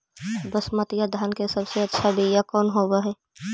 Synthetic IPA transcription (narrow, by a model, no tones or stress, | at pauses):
bəsmət̪jad̪ʱaːnkesɐbseɐtːʃʰabʱijakɔːnɦoːbaɦɛː